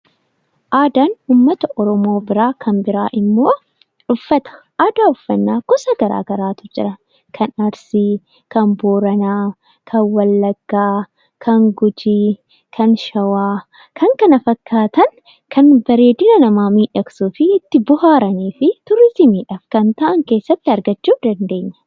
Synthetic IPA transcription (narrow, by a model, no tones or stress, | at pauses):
ʔaːd̪anuːmːɐt̪ɐʔɔɾɔmo̞ːbɪɾaːkʰɐnbɪɾa̰ːʔɪmːo̞ː | ᶑʊfːɐt̪ɐ̥ʔaːd̪aːʊfːɐnːaːɡ̥ɔsɐɡɐɾa̰ːɡɐɾaːt̪ʊd͡ʒɪ̰ɾɐ | kʰɐnɐɾsi | kɐmboːɾɐnaː | kʰɐnwɐlːɐɡːaː | kʰɐŋɡʊd͡ʒiː | kʰɐnʃɐwaː | kʰɐŋkɐnɐfɐkʰːaːt̪ɐn | kɐnbɐɾe̞ːd̪ɪnɐnɐmaːmiːᶑɐksuːfɪːt̪ːɪbʊhaːɾɐniːfɪt̪ʊɾɪsɪmiːᶑɐfkɐnt̪ɐʔɐŋke̞ːsːɐt̪ːɪɐɾɡɐt͡ʃːuːfd̪ɐnd̪e̞ːɲːɐ̥